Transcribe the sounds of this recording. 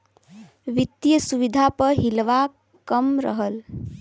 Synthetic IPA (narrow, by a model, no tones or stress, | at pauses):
ʋit̪ijəsuʋid̪ʱapəɾɦilʋa | kəmɾə̰ɦəl